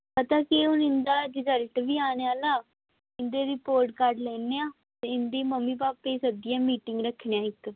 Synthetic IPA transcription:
pət̪aːkiʊnɪnd̪aːɖɪzəɾʈʋiːaːneaːlaː | ɪnd̪eːɾɪpoːɾʈkəɾɖlɛːneːãː | t̪eːɪnd̪iːməmːiːpaːpːeːsəd̪ɪjãːmiːʈɪŋɡɾəkʰneãːɪk

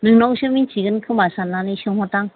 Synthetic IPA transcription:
nɯŋnɔkɕɯmit͡ʃiɡɯnkʰɯmasanːaniɕɯŋɦɔtaŋ

